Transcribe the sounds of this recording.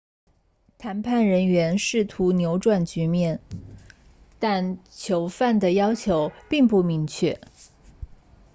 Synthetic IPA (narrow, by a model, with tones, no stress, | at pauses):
t̪ʰa˧˥npʰa˥˩nɻə˧˥nɥɛ˧˥nʂɻ̩˥˩t̪ʰu˧˥njo˧˥ʊʈ͡ʂwa˥˩nt͡ɕy˧˥mjɛ˥˩n | t̪a˥˩nt͡ɕʰjo˧˥ʊfa˥˩nd̪ə˩jɑ˥ʊt͡ɕʰjo˧˥ʊpi˥˧ŋpu˥˩mi˧˥ŋt͡ɕʰɥɛ̰˥˩